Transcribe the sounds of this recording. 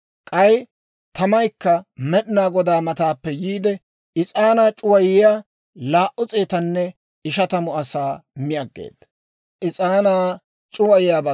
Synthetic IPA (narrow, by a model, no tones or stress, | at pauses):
kʼɐj | t̪ɐmɐjkːɐmɛɗnaːɡɔd̪aːmɐt̪aːpːɛjiːd̪ɛ | ɪt͡sʼaːnaːt͡ʃʼʊwɐjɪjaː | laːʔʊt͡sʼeːt̪ɐnːɛ | ɪʃɐt̪ɐmʊɐsaːmɪɐɡːḛːd̪̥ɐ | ʔɪt͡sʼaːnaː | t͡ʃʼʊwɐjɪjaːbɐ